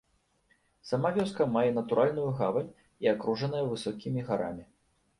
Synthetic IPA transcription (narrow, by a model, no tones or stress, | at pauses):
sɐmavʲɔskɐmajɛnɐt̪uɾʔalʲnujuɣavɐnʲ | iakɾuʐɐn̪ɐjɐvɨsɔkʲimʲiɣaɾa̰mʲi